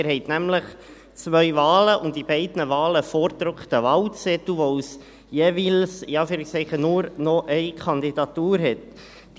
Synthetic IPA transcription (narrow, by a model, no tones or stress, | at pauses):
ɪɾhɛɪtnæmləχ | t͡svœʏvɑːləʔʊntdibɛɪdnəvɑːləfɔɾdɾʊkχtəvɑlt͡sɛtuʋos | jeːvilsɪɑːfyːɾiksɛɪχənuɾnɔʔɛɪkʰɑndidɑt̪uːɾɦɛt | d̥